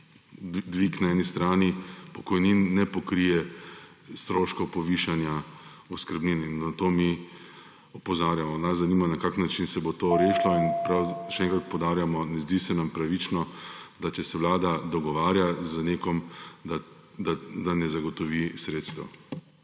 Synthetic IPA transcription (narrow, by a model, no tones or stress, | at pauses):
d̪ʋiknaɛːnist̪ɾaːnipɔkɔjninːɛpɔkɾijɛ | st̪ɾoːʃkɔpɔʋiʃanja | ɔskəɾbnininːat̪oːmi | ɔpɔzaːɾjamɔnaszanimanakaknːat͡ʃinsɛbot̪oːɾeːʃlɔinpɾawʃɛɛŋkɾat̪̚pɔwd̪aːɾjamɔnɛzd̪isɛnampɾaʋit͡ʃnɔd̪at͡ʃɛsɛʋlaːd̪ad̪ɔɡɔʋaːɾjazəneːkɔmd̪ | d̪ad̪anɛzaɡɔt̪ɔʋisɾeːt̪st̪ʋɔ̰